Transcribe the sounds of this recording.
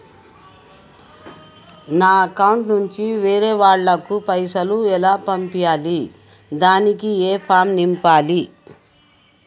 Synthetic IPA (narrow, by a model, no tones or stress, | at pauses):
naːɐkɐwɳʈnuɲt͡ʃiʋeːɾeːʋaːɭːɐkupɐjsɐluɛlaːpɐmpijaːli | d̪aːnikieːpʰaːmnimpaːli